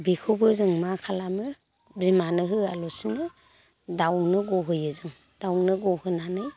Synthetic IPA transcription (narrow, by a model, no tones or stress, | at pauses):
bikʰobɯzɯŋmakʰalamɯ | bɾimanɯɦɯalɔsinɯ | dawnɯɡɔɦɯjɯzɯŋ | d̥awnɯɡɔhɯnanɯ